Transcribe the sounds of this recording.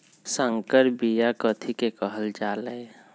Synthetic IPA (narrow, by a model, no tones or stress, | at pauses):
sə̃ŋkəɾbijakət̪ʰikekəɦəld͡ʒaːləj